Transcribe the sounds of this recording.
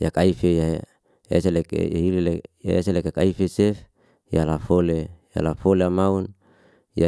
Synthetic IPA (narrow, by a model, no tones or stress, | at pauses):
jakaifeja | ḛselekḛja̰ɦileleja̰eselekekaifesef | jalafoleja̰lafoleamaun | ja